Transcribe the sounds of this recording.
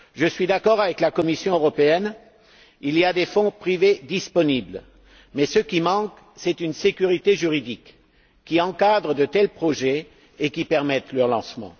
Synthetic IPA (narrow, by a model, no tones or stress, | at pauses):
ʒəsɥid̪akɔʁavɛklakɔmisjɔ̃øʁɔpeɛn | iliad̪efɔ̃pχived̪ispɔnibl | mɛsəkʲimɑ̃k | sɛt̪ynsekʲyʁit̪eʒyʁid̪ikʲː | iɑ̃kad̪ʁəd̪ət̪ɛlpχɔʒɛ | ekʲipɛʁmɛt̪lœʁlɑ̰̃smɑ̰̃